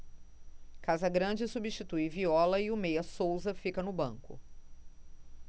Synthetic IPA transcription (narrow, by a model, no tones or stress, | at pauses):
kazɐɡɾɐ̃d͡ʒɪsubiʃt͡ʃit̪ujviɔlɐɪʊmejɐsowzɐfikɐnʊbɐ̃ŋkʊ̰